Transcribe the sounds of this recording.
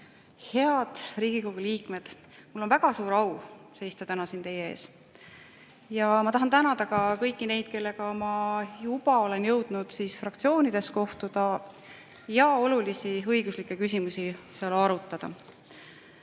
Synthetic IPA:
he̞ɑd̪̥riːɡ̥iko̞ɡ̥uliːkˑme̞d̪̥ | mulːo̞nvæɡ̥ɑsuːɾɑwse̞jst̪ɑt̪ænɑsint̪e̞jee̞̰ːs | jɑmɑt̪ɑɦɑnt̪ænɑd̪̥ɑɡɑkɤjkːˑine̞jd̪̥̚ke̞lːe̞kɑmɑjub̥ɑo̞le̞njɤ̞wd̪̥nud̪̥siːsfrɑkt̪sioːnid̪̥e̞sko̞ht̪ud̪̥ɑ | jɑo̞lulisiɤjɡ̥uslikˑːekys̬ʲimusiseɑlɑɾut̪ˑːɑd̪̥ɑ̰

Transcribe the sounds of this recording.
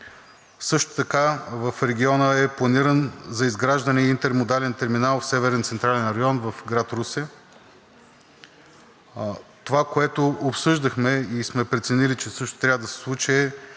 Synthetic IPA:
sɤʃt̪o̥t̪ɐkavəfɾɛɡʲiɔnəɛplˠɐniɾənzɐizɡɾaʒd̪ənɛint̪ɛɾmod̪alɛnt̪ɛɾminalˠfsɛvɛɾɛnt̪sɛnt̪ɾalɛnɾɐjɔnvəfɡɾat̪ɾusɛ | t̪ovakoɛt̪oopsɤʒd̪əxmɛismɛpɾɛt̪sɛnilit͡ʃɛsɤʃt̪o̥t̪ɾʲavəd̪əsɛ̥slˠut͡ʃiɛ

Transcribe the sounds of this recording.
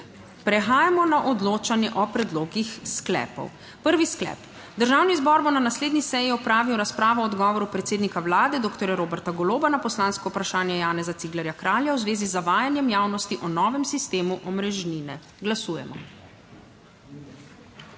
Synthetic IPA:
pɾɛxaːjamɔnaʔɔd̪loːt͡ʃanjɛʔɔpɾɛd̪loːɡixsklɛ̰ːpɔ̰w | pəɾʋisklɛ̰ːp | d̪əɾʒaːwnizbɔːɾbonanasleːd̪nisɛjiɔpɾaːʋiwɾaspɾaːʋɔɔɔd̪ɡɔːʋɔɾupɾɛt̪seːd̪nikawlaːd̪ɛd̪oːkt̪ɔɾjaɾoːbɛɾt̪aɡɔloːbanapɔslaːnskɔwpɾaʃaːnjɛjaːnɛzat̪siɡlɛɾjakɾaːljawzʋeːzizaʋaːjanjɛmjaːwnɔst̪iʔɔnɔːʋɛmsist̪eːmuʔɔmɾɛʒniːnɛ | ɡlasuːjɛmɔ̰

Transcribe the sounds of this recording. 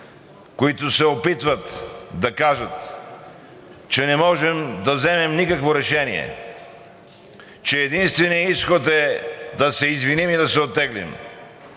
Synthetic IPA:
koit̪ʊsɛopit̪vət̪d̪ɐkaʒət̪ | t͡ʃɛnɛmɔʒɛmd̪ɐvzɛmɛmnikɐkvoɾɛʃɛnḭɛ̰ | t͡ʃɛːd̪inst̪vɛniisxot̪ɛd̪ɐsɛizvinimid̪ɐsɛot̪ːɛɡlḭm

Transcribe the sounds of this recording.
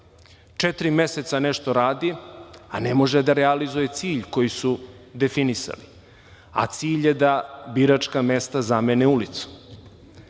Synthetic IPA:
t͡ʃet̪ɾime̞set̪saneʃt̪o̞ɾaːd̪ia̰nemo̞ʒed̪aɾealizuje̞t̪siːʎko̞jisud̪e̞finisa̰li | a̰t̪siːʎjed̪abiɾat͡ʃkame̞st̪azameneulit̪su̥

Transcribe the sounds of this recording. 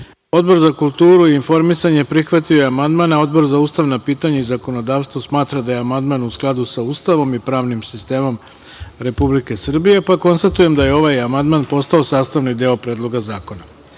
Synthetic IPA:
o̞d̪bo̞ɾzakulˠt̪uːɾuiːnfo̞ɾmisaɲe̞pɾixʋat̪ioamand̪maːnao̞d̪bo̞ɾzauːst̪aʋnapiːt̪aɲaizako̞no̞d̪aːʋst̪ʋosmaːt̪ɾad̪aje̞amand̪maːnusklˠad̪usauːst̪aʋo̞mipɾaːʋnimsist̪e̞ːmo̞m | ɾe̞publike̞sr̩bije̞pako̞nst̪at̪uje̞md̪aje̞o̞ʋajamand̪maːnpo̞st̪ao̞saːst̪aʋnid̪eːopɾeːd̪lˠo̞ɡazaːko̞na

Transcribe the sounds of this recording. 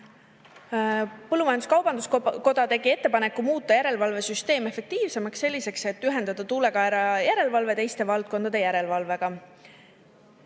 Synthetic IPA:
pɤlːumɑjɑnd̪u̥skɑwbɑnd̪usko̞d̪ɑt̪e̞ɡie̞t̪ːe̞pɑnekːˑumuːt̪ˑːɑjæɾe̞lvɑlve̞syst̪e̞ːme̞fe̞k̚t̪iːvse̞mɑksːelʲːise̞kse̞t̪ːyɦe̞nd̪̥ɑd̪̥ɑt̪uːle̞kɑeɾɑjæɾe̞lvɑlve̞t̪e̞jst̪e̞vɑlt̪̚ko̞nd̪̥ɑd̪e̞jæɾe̞lvɑlve̞ɡ̥ɑ

